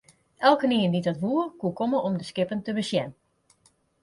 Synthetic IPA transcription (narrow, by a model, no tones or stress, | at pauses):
ɛlˠkəniəndidɔtʋuərkukoməɔmdəskɪpəntəbəsjɛn